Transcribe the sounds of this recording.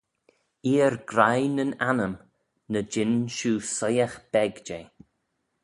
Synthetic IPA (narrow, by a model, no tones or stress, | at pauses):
iːəɾɡɾajnənanəm | nəd͡ʒɪnʃuːsɔjaxb̥ɛɡd͡ʒeː